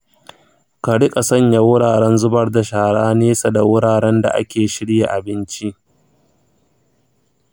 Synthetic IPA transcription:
ka˨ɽɪ˦kʼa˨sɐ˦ɲja˦wʊ˦ɽaː˨ɽɛ˦nzʊ˦bɐ˦rda˨ʃaː˨ɽaː˦neː˦sa˨da˨wʊ˦ɽaː˨ɽɛ˦nda̰˨ʔa̰˦kʲeː˨ʃɪ˦ɽja˨ʔa˨bɪ˦nt͡ʃi˦ʔ

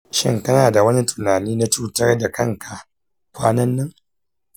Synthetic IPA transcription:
ʃɪ̰˦ŋkɐ˦naː˨da˨wɐ˦ni˦tʊ̥˨naː˨niː˦na˦t͡ʃuː˦tɐ˦rda˨kɐ˦ŋka˨ | kʷaː˦nɐ˦nːɪ˦ŋ

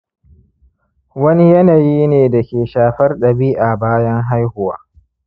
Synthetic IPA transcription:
wɐ˦ni˦jɐ˦naː˨jiː˦neː˨dɐ˨kʲeː˨ʃaː˨ɸɐ˦rɗɐ˨biː˦ʔa˨baː˦jɐ˦ŋɦa˦jhʊ˨wa̰ː˦

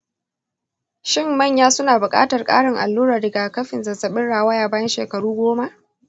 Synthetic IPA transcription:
ʃɪ˦˨mːɐ˦˨ɲjaː˦sʊ˦naː˨bʊ˨kʼa̰ː˦tɐ˨rkʼa̰ː˦ɽɪ˨ŋʔa̰˨lːuː˦ɾaː˨ɽɪ˨ɡaː˨kɐ˦ɸɪ˨nzɐ˨zɐ˨ɓɪ˦nɽaː˨wa˦jaː˨baː˦jɐ˦nʃeː˨kɐ˨ɽuː˦ɡʷoː˦ma˦ʔ

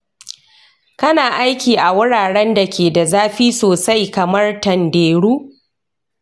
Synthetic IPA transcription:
kɐ˦naː˨ʔa˦jkʲiː˨ʔa˨wʊ˦ɽaː˨ɽɛ˦nda˨kʲeː˨da˨zaː˦ɸiː˦soː˨sa˦jkɐ˨mɐ˦rtɐ˨ndeː˨ɽuː˦

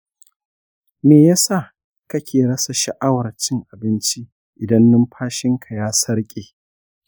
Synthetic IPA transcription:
meː˨ja˦sa˦˨ | kɐ˦kʲeː˨ɽɐ˦sɐ˨ʃɐ˨ʔa˦wɐ˨rt͡ʃɪ˦ŋʔa˨bɪ˦nt͡ʃi˦ | ʔɪ˨dɐ˦nːʊ˦mɸʰaː˦ʃɪ˦ŋkʰa˨jaː˦sɐ˦ɽkʲʼeː˨

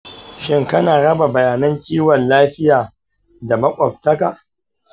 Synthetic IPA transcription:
ʃɪ˦ŋkɐ˦naː˨ɽɐ˦ba˨bɐ˨jaː˨nɐ˦ŋkʲʼiː˦wɐ˨nlaː˦ɸɪ˦jaː˨ | da˨mɐ˦kʷʼɔ˨p̚tɐ˦ka˨

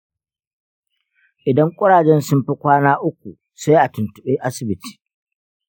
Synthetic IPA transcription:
ʔɪ˨dɐ˦ŋkʷʼʊ˦ɽaː˨d͡ʒɛ˦nsʊ˦mɸi˦kʷaː˦naː˦ʔʊ˦k̚ʷu˨ | sʊ˦ji˦ʔa˨tʊ˨ntʊ˨ɓeː˦ʔa˦sɪ˨bɪ˨˦ti̥ː˨

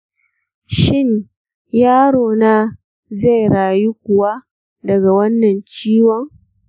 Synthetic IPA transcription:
ʃɪ˦˨ɲ | jaː˦ɽoː˨naː˦ | za˦˨jɽaː˨ji˦kʷʊ˨wa˦ | dɐ˨ɡa˨wɐ˦nːɐ˨nt͡ʃiː˦wɔ˦ŋ

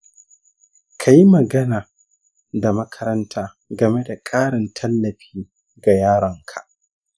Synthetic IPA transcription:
kʰa˨ji˦mɐ˨ɡɐ˦naː˨ | da˨mɐ˦kʰɐ˦ɾɐ˦ntʰaː˦ | ɡɐ˨me˦da˨kʼaː˦ɽɪ˨ntʰɐ˦lːɐ˨ɸiː˦ | ɡa˨jaː˦ɽɐ˨ŋkʰḁ̰˨ʔ

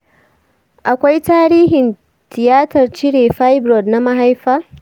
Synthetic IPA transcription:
ʔa˨kʷa˦jtaː˦ɾiː˦ɦɪ˨n | tɪ˨jaː˦tɐ˨rt͡ʃɪ˦ɽeː˨ɸa˦jbɾɔ˨dna˦ma˦ɦa˦jɸa˦

